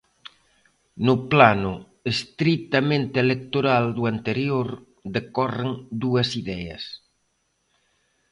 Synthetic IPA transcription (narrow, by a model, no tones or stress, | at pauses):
nʊplanʊ | est̪ɾit̪ɐmẽnt̪ɪelek̚t̪oɾald̪uant̪eɾjoɾ | ðekɔreŋd̪uɐsiðɛɐ̰s